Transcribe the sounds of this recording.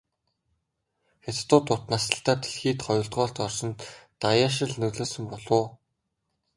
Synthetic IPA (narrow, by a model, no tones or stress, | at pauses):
xet͡s̪t̪ʊːt̪ʊt̪nasə̆ɬt̪aːt̪ʰe̥ɮxiːt̪χɔjʊ̆ɬt̪ɢɔːɬt̪ɔrʃɞ̆nt̪t̪ajaʃɪ̆ɮnɵɮoːsɵ̆mpɔɮʊː